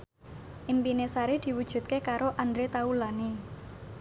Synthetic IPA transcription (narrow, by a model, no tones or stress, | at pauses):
ʔimpinesaɾed̪̥i̤wud̥ʒ̥ṳt̪̚kekaɾoʔand̪ɾet̪aulane